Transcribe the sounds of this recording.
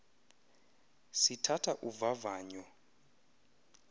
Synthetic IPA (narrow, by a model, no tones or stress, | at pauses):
sitʰatʰaʔuvavaːɲɔ